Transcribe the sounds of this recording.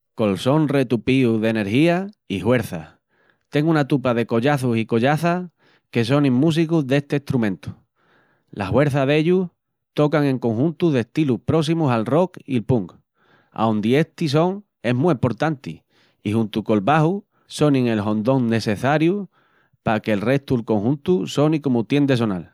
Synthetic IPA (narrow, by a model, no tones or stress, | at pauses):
ko̞lso̞nre̞t̪upiuðe̞ne̞ɾhiaihwe̞ɾθa | t̪e̞ŋunat̪upað̞e̞ko̞ʎaθusiko̞ʎaθa | ke̞s̬o̞nĩŋmũs̬ikuðe̞st̪eht̪ɾumẽnt̪u̥ | lʔa̰hwe̞ɾθaðe̞ʎuh | t̪o̞kaŋẽ̞ŋko̞ŋhunt̪uðe̞st̪iluhpɾo̞s̬imusalro̞kilpuŋk | a̰ond̪ie̞ht̪is̬o̞ŋ | e̞ɦmiimpo̞ɾt̪ant̪ḭ | ihunt̪uko̞lβahu | so̞nĩŋe̞lɦõ̞nd̪o̞ŋne̞se̞θaɾju | pake̞lre̞st̪ulko̞ŋhunt̪uso̞niko̞mut̪je̞nd̪e̞s̬o̞na̰l